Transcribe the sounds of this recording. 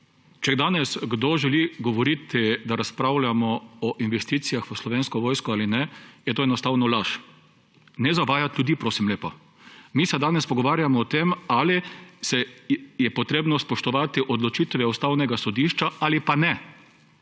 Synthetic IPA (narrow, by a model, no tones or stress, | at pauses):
t͡ʃɛɡd̪aːnɛsɡd̪oʒɛliɡɔʋɔɾit̪id̪aɾaspɾaʊlʲamɔɔʔinʋɛst̪iːt̪sijaxʋəslɔʋeːnskɔʋoːjskɔaːlinɛjɛt̪oːɛnɔst̪aːwnɔlaʃ | nɛzaʋaːjat̪lʲjud̪iːpɾoːsimleːpa | misɛd̪aːnɛspɔɡɔʋaːɾjamɔːt̪emalisɛjɛpɔt̪ɾeːbnɔspɔʃt̪ɔʋaːt̪iʔɔd̪lɔt͡ʃit̪ʋɛust̪awnɛɡasɔd̪iʃt͡ʃaalipanɛ